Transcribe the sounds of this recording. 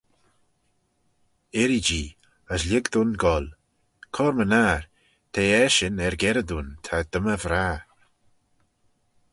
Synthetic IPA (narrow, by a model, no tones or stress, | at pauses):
ɛɾid͡ʒiː | əslʲɪɡd̪unɡɔl | kʰɔɾmənaːɾ | t̪ʰeːɛʃɪnɛɾɡɛɾəd̪uːnt̪ʰad̪əməvɾaː